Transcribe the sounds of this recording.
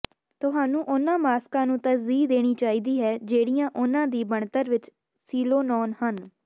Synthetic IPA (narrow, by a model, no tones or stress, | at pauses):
t̪ʊɦaːnũːʔʊnãːmaːskãːnũːt̪əsziːd̪eːɽ̃iːt͡ʃaːiːd̪iːɦɛːd͡ʒeːɽijãːʔʊnãːd̪iːbəɳt̪əɾʋɪt͡ʃ | siːloːnɔːnhən